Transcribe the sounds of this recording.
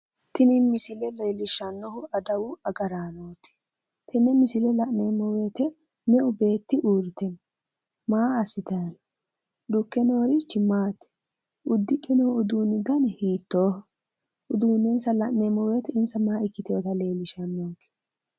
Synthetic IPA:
t̪ʰɪnɪmɪsɪlɛle̞ːlɪʃɐnːɔhʊɐd̪ɐwʊɐɡɐɾaːnoːt̪ɪ̥ | t̪ʰɪnɪmɪsɪlɛlɐʔneːmɔwe̞ːt̪ɛ | nɛʔʊbe̞ːt̪ːɪʔuːɾɪt̪ɛn | maːɐsɪt̪ɐjɐn | ɗʊkːɛnoːɾɪt͡ʃːɪmaːt̪ɪ̥ | ʊd̪ːɪkʼːɪnɔhʊʊd̪uːnɪd̪ɐnhiːt̪ːoː | ʊd̪uːneːnsɐlɐʔneːmɔwe̞ːt̪ɛɪnsɐmaːɪkːɪt̪ɪjoːt̪ɐle̞ːlɪʃɐnːokɛ̥

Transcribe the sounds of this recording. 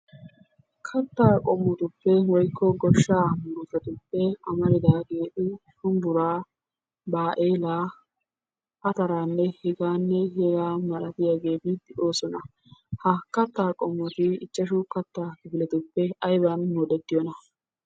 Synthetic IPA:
kʰɐt̪ːaːkʼɔmːɔt̪ʊpːɛwɔjkʰːɔɡɔʃːaːmʊɾʊfɛt̪ʊpːɛɐmɐɾɪd̪aːɡeːʔʊʃʊmbʊɾaː | baːʔeːlaː | ʔɐt̪ɐɾaːnːɛhɛɡaːnːɛhɛɡaːmɐlɐt̪ɪjaːɡe̞ːbiːt̪ːɪʔo̞ːsɔnɐ | hɐkɐt̪ːaːkʼɔmːɔt̪ɪɪt͡ʃʼːɐʃʊkɐt̪ːaːkɪbɪlɛt̪ʊpːɛɐjbɐnmɔd̪ɛt̪ːɪjɔnɐ

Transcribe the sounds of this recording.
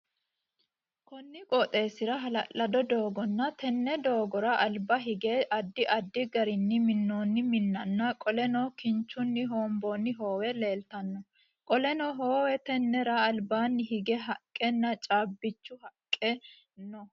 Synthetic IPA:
kɔnːɪkʼɔt̪ʼe̞ːsɪɾɐɦɐlɐlːɐd̪ɔd̪o̞ːɡɔnːɐt̪ɛnːɛd̪o̞ːɡɔɾɐʔɐlbɐɦɪɡeːʔɐd̪ːɪʔɐd̪ːɪɡɐɾɪnːɪmɪnːoːnːɪmɪnːɐnːɐkʼɔlɛnoːkɪnt͡ʃːʊnːɪɦo̞ːmboːnːɪɦo̞ːwɛle̞ːlt̪ɐnːɔ | kʼɔlɛnɔɦoːwɛt̪ɛnːɛɾɐːlbaːnːɪhɪɡɛɦɐkʼːɛnːɐt͡ʃʼaːbːɪt͡ʃːʊhɐkʼːɛ | nɔ

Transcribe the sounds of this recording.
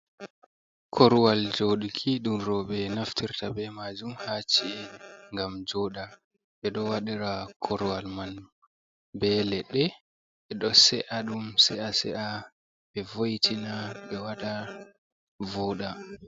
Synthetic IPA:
kʰɔɾwald͡ʒoːɗikʰiɗumɾɔɓɛnaftʰiɾtabɛmad͡ʒumhat͡ʃiɛŋɡamd͡ʒɔːɗa | ɓɛɗɔwaɗiɾakʰɔɾuwalman | bɛlɛɗɛ | ɓɛɗɔsɛʔaɗumsɛʔasɛ̰ʔa | ɓɛvojtʰinaɓɛwaɗa | vɔːɗa

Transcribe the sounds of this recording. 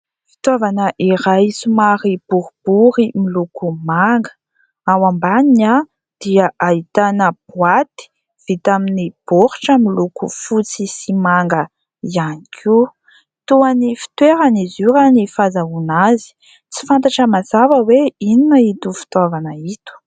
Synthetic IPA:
fi̥t̪avanəʔiɾajsumaɾib̥uɾub̥uɾimilukumaŋɡə̥ | awambaniɲa | d̪̥iaʔait̪anəb̥wat̪i̥ | v̥it̪aminib̥oɾi̥ʈ͡ʂəmilukṵfut͡sisimaŋɡə | ianikʰiu | t̪uanifi̥t̪weɾanizuɾanifazaunazi̥ | t͡si̥fant̪aʈ͡ʂəmazavəweininəit̪ufi̥t̪avanəit̪u̥

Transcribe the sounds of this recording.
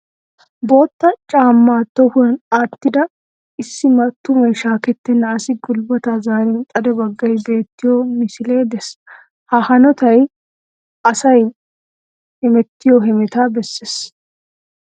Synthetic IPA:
bo̞ːt̪ːɐt͡ʃʼaːmːaːt̪ːɔhʊɐnaːt̪ːɪd̪ɐ | ɪsːɪmɐt̪ːʊmɐjʃaːkɛt̪ːɛnːɐːsɪɡʊlbɔt̪ɐzaːɾɛnt̪ʼɐd̪ɛbɐɡːɐjbe̞ːt̪ːɪjomɪsɪle̞ːd̪ɛs | hɐhɐnɔt̪ɐj | ʔɐsɐj | hɛmɛt̪ːɪjɔɦɛmɛt̪abɛsːeːs

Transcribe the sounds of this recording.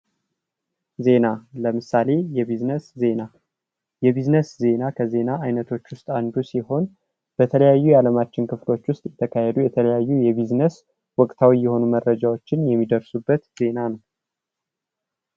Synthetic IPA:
ze̞naləmɨsale̞jɛbiznəszena | jɛbiznəsze̞nakʰəze̞naʔajnət̪ʰo̞t͡ʃːwʊst̪ʼand̪usiho̞n | b̥ət̪ʰələjajːujɛaləmat͡ʃːɪnkʰɨflo̞t͡ʃːwʊst̪ʼjɛt̪ʰəkʰahɛd̪ujɛt̪ʰələjajːujɛβiznəs | wɔkʼt̪ʰawijːɛho̞numərːəd͡ʒawot͡ʃːɪnjɛmːid̪əɾsubːət̪z̥e̞nanəw

